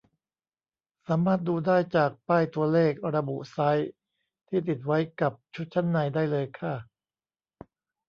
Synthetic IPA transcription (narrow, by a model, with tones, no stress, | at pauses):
saː˩˦maː˥˩t̪̚duː˧daː˥˩jt͡ɕaː˨˩k̚paː˥˩jt̪u˧ɐleː˥˩k̚ɾa˧bu˨˩ʔsa˦˥j | t̪ʰiː˥˩t̪i˨˩t̪̚wa˦˥jka˨˩p̚t͡ɕʰu˦˥t̪̚t͡ɕʰa˦˥˩nːa˧jdaː˥˩jlɤː˧jkʰa˥˩